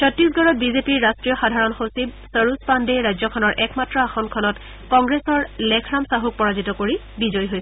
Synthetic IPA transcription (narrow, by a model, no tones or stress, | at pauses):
t͡ʃʰɔtɹis̬ɡɔɹɔt̚bizepiɹːastɹijɔxadʱaɹɔnxosib̚ | səɹuspandeɹajzɔkʰɔnɔɹʔɛkmatɹɔaxɔnkʰɔnɔt | kɔŋɡɹesɔɹlɛkʰɹamsaɦuk̚pɔɹazitɔkoɹi | bizɔjɦojsɛ